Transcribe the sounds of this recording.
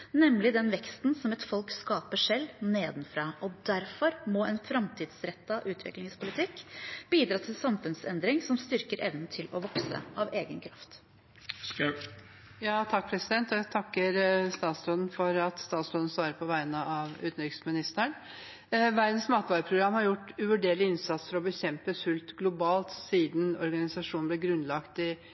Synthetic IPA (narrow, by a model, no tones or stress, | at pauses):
nɛmlɪd̪ɛnʋɛkst̪nsɔmɛt̪fɔlkskɑːpəʂɛlːneːd̪n̩fɾɑːʔɔd̪æɾfɔɾmɔɛnfɾɑmt̪ʰiːd̪sɾɛt̪ːɑʔʉːt̪ʰʋɪ̰klɪŋspʰʊlɪt̪ʰɪkːb̥iːd̪ɾɑːt̪ʰɪlsɑmfʉnsɛnd̪ɾɪŋsɔmst̪ʏɾkəɾʔɛʋnn̩t̪ʰɪlɔʋɔksə̰ʔɑʋeːɡənkʰɾɑft̪ | jɑːt̪ʰɑk̚pʰɾɛsɪd̪ɛnt̪ɔæt̪ʰɑkːəɾst̪ɑːt̪sɾoːd̪n̩fɔɾɑt̪st̪ɑːt̪sɾɔːd̪n̩sʋɑːɾəpʰɔʋæɪnəʔɑʋʉ̰ːt̪n̩ɾʏksmɪnɪst̪əɳ | ʋæɾd̪n̩smɑːt̪ʋɑːɾəpʰɾʊɡɾɑmːhɑɾjʊʈːʉʋʉɖeːɭɪɪnsɑt̪sfɔɾɔbəçɛmpəsʉlt̪ɡlʊbɑːlt̪siːd̪n̩ɔ̰ɾɡɑnɪsɑʂuːnblɛɡɾʉnlɑkt̪ɪ